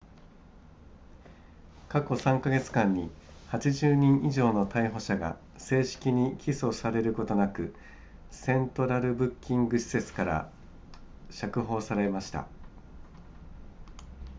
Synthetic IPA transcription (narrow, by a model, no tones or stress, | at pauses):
kako̞sãŋkaɡe̞t͡sɨ̥kãɲ̟ːihat͡ɕiʑɨːɲ̟ĩɰ̃ʔiʑo̞ːno̞t̪aiɦo̞ɕaɡa̰ | se̞ːɕi̥kʲiɲ̟ikʲiso̞saɾe̞ɾɯ̟ko̞t̪o̞nakɯ̟ | sẽ̞nt̪o̞ɾaɾɯ̟bɯ̟kʲːĩŋɡɯ̟ɕi̥se̞t͡sɨ̥kaɾa̰ | ɕakɯ̟ɦo̞ːsaɾe̞maɕi̥t̪a̰